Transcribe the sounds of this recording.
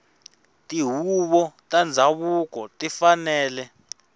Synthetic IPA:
tʼiɦuɓɔtʼand͡zʱaɓuk̬ɔtifanɛːlɛ

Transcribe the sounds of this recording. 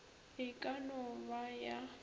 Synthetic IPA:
ɪkʼanɔbaja

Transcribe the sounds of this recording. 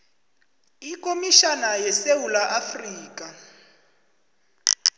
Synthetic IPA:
ikomiʃanajɛsewulaʔafriːka

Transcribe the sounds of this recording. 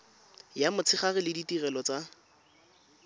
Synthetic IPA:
jamʊt͡sʰɪχarɪlɪditirɛlɔt͡sa

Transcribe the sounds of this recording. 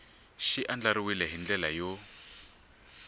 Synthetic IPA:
ʃiʔand͡ɮaɾiwilɛɦind͡ɮɛlajo

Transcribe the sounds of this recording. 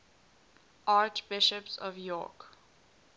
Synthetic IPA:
ʔaːt͡ʃb̥ɪʃəpsɔ̰vjɔ̰ːk

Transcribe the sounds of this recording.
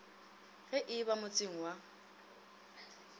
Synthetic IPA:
ɣɛʔɪbamʊt͡sʼɪŋ̩wa

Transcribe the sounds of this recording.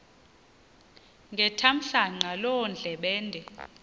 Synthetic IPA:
ŋɡʱɛtʰam̩ɬaŋ͡ǀalɔnd͡ɮʱɛɓɛːndʱɛ

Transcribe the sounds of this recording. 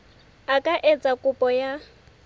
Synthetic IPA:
akʼaʔet͡sʼakʼʊpʼɔja

